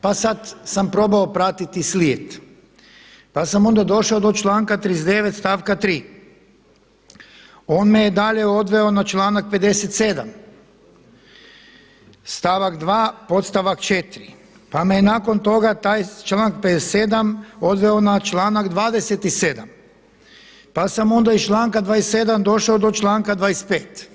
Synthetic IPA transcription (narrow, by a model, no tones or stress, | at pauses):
pasad̪sampɾo̞baopɾat̪it̪isliet̪ | pasamo̞nd̪ad̪o̞ʃaod̪ot͡ʃlˠaːŋkat̪ɾizd̪eʋet̪st̪aːʋkat̪ɾiː | o̞ːnmejed̪aʎe̞o̞d̪ʋe̞onat͡ʃlˠaːnak̚pe̞d̪e̞set̪sed̪am | st̪aːʋakd̪ʋaːpo̞t̪st̪aʋakt͡ʃet̪ɾi | pamejenaːko̞nt̪o̞ɡat̪aːjt͡ʃlaːŋk̚ped̪est̪sed̪amo̞d̪ʋeonat͡ʃlaːnaɡd̪ʋaːd̪e̞set̪ised̪am | pasamo̞nd̪ait͡ʃlˠaːŋkad̪ʋaːest̪ed̪amd̪o̞ʃaod̪o̞t͡ʃlˠaːŋkad̪ʋaːespeːt̪